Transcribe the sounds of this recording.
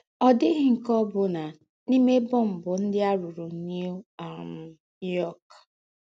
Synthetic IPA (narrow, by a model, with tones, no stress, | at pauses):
ɔ˨dɪ˦ɦɪ˦ŋ̩˨kɔ˦bʊ˨na˨ | ni˦me˦bʊ˦m̩˨bʊ˨n̩˦dɪ˦a˦ɾu˨ɾu˨˦ni˦u˦a˨m̩˦ | nu˦jɔ˦k